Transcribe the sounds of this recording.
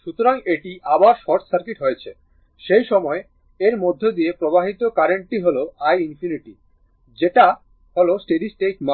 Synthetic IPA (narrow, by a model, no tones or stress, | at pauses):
ʃut̪oɾaŋeʈiʔabaɾʃɔɾʈ̪saɾkiʈɦojet͡ɕʰe | ʃejʃɔmɔe | eɾmod̪ʱːed̪iepɾobaɦit̪okaɾeɳʈʈiɦoloajinfʰiniʈi | d͡ʑeʈa | ɦolosʈeɖisʈekma